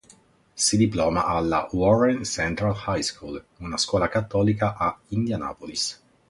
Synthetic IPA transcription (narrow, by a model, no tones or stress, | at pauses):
sid̪iplɔːma̰ʔalːa̰wɔrensɛnt̪ɾalhajskʰulunaskwɔːlakat̪ːɔːlikaʔaind̪jana̰ːpolis